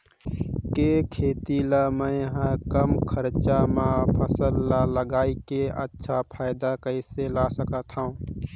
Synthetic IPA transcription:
kekʰeːt̪iləmə̃jɦə̃kəmkʰəɾt͡ʃamãpʰəsəlːaləɡaːikeə̰tːʃʰapʰaːɪd̪akəɪselasəkət̪ɦaũː

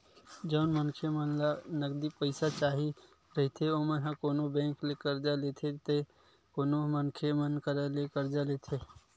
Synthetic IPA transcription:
d͡ʒəʊnmənkʰemənlanəkd̪ipəɪsat͡ʃaːɦi | ɾɐɦit̪ʰeoːmənɦãkoːnobɛ̃ːŋklekəɾd͡ʒaleːt̪ʰet̪e | koːnomənkʰemənkəɾalekəɾd͡ʒaleːt̪ʰeː

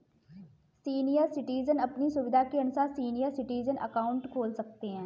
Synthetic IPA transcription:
siːnijəɾsɪʈiːzənɐpnisʊbɪd̪ʱakeɐnsasiːnijəɾsɪʈiːzənʔɐ̰kaːʊ̃ɳʈkʰoːlsɐk̚t̪eɦɛ̃ː

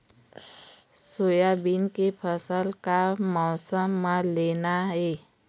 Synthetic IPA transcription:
sojabinkepʰəsəlkamɔːsəmːãleːnaɦɛ

